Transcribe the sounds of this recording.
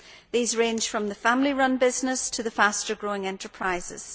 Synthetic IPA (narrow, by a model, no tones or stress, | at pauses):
ðiːzɹẽnʒ̥fɹə̃mðəfãmlˠiɹʌ̃nbɪznɪstʰəðəfastə˞ɡɹoɪ̃ŋɛ̃ntə˞pʰɹ̥aɪzɪ̰z̥